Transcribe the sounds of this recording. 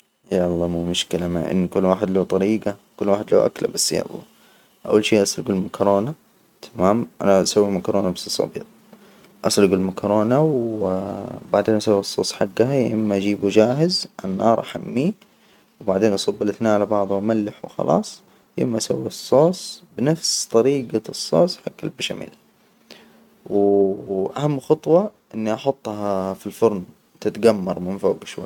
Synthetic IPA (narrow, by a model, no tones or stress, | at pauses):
jaʔɑlˤːɑːmuːmʊʃkɪlamaʕʔɪ̰nːkʊlːwaːħɪd̪lawt̪ˤɑɾiːɡakʊlːwaːħɪd̪la̰wʔa̰kla̰basːja̰ʔlˤːɑ̰ː | ʔa̰wːalʃiːʔɑsˤlɡɪlmakɾoːna | t̪ʰamaːmʔa̰naʔasawːimakɾoːnabassˤɑ̰bḭːq | ʔɑsˤlʊɡɪlmakɾoːnaw | baʕd̪eːnʔasawːɑsˤːo̰ːsˤħaɡːahajʔɪ̰mːaʔad͡ʒiːbud͡ʒaːɦɪzʔanːɑ̰ːɾˤʔaħa̰mːi | wbaʕd̪eːnʔɑsˤɑbːɪlʔaθnaːʕalabɑʕðˤumalːɪħwɪxɑ̰lʔɑ̰ːsˤ | jɪ̰mːaʔasawːiɑsˤːoːsˤbɪnafst̪ˤɑɾiːɡasˤːoːsˤħaɡːalbaʃamḭːl | w | ʔahamːxɑt̪ˤwɑʔɪnːiʔɑħʊt̪ˤːɦɑfilfʊɾˤn | t̪ɪt̪ɡamːɑɾˤmɪnfoːɡʃwa̰j